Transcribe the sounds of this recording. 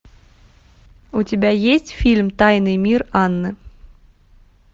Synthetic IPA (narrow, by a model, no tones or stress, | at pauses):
utʲɪbʲæjesʲtʲfʲilʲmt̪ɑjnɨmʲirɑnːɨ